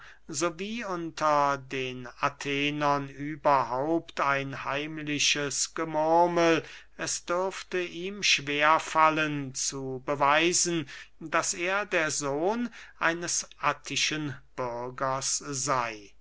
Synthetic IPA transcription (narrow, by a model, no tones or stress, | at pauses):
zoviːʊntʰɐdeːnatʰeːnɐnyːbɐɦaʊptʰaɪnhaɪmlɪʃəsɡ̥əmʊɐməl | ɛsd̥ʏɐftəʔiːmʃv̥eːɐfalənt͡subəvaɪzn̩daseːɐdeːɐzoːnʔaɪnəsʔatʰɪʃənb̥ʏɐɡɐszaɪ